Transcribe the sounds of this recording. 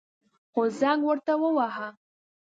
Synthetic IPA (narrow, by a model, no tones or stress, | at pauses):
xozaŋɡwəɾt̪awəwaɦa